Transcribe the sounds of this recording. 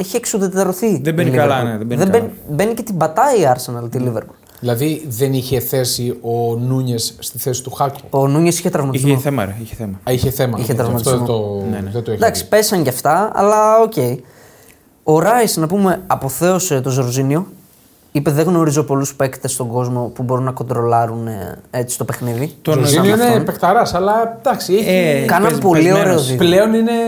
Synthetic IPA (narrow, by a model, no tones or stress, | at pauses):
eçieksuðet̪e̞ɾo̞θiðebeiliɐɾlɐnðebeðebenibe̞nice̞t̪ibɐt̪ɐiɐɾse̞nɐlt̪iliveɾpul | ilɐðiðeniçeθe̞sio̞nuɲesːt̪iθesi̥t̪uxɐkuonuɲesiçet̪ɾɐvmɐtizmoθemɐiçeθemɐiçeθemɐiçet̪ɾɐvmɐt̪t̪zmoonðet̪oed̪ɐksi̥pesɐɲɟɐft̪ɐɐ̰lɐo̞ce̞i | o̞ɾɐisnɐpume̞ɐpo̞θe̞oset̪o̞zoɾzinio̞ | ipe̞ðe̞ɣno̞ɾizo̞po̞luspekt̪est̪o̞ɡo̞zmo̞pubo̞ɾunːɐko̞nd̪ɾo̞lɐɾunet͡si̥st̪o̞pe̞xniðit̪oinioinepekt̪ɐɾɐsɐlɐd̪̥ɐksiikɐnɐpo̞lioɾe̞oðipleonine